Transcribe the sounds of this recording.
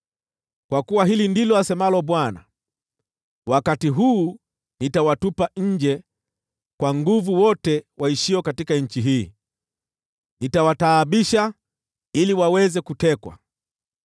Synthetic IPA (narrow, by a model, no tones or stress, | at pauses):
kwakuwaɦilindilɔasɛmalɔbwana̰ | wakatiɦuː | nitawatupaɲ̩d͡ʒɛ | kwaŋɡuvuwɔtɛwʔaiʃiɔkatikaɲ̩t͡ʃiɦiː | nitawataːɓiʃa | iliwawɛzɛkutɛkwa̰